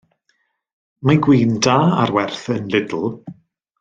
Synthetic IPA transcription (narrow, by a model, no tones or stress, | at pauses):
maɡwiːndaːa̰ɾwɛrθənlɪdl̩ˠ